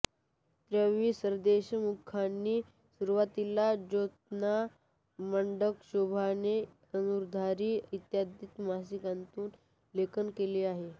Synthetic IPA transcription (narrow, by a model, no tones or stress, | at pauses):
t̪ɾəʋiːsəɾd̪eɕəmukʰːanːiː | suɾuʋat̪ilad͡ʑot̪̚na | məɳɖəkɕubʱane | ənuɾd̪ʱaɾiːit̪jad̪it̪mas̬ikant̪uːn | lekənkeliːaɦe